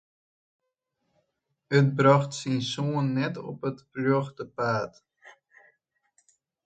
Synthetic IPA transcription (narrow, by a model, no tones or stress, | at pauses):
ət̚brɑχtsinsuənːɛtɔ̰pətfløχdəpaːt